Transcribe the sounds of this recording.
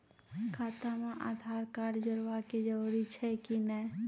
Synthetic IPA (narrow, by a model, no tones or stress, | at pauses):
kʰaːt̪amãʔaːd̪ʱaːɾkaːɖd͡ʒəɾʋaked͡ʒəɾuɾit͡ʃʰɛkinɛ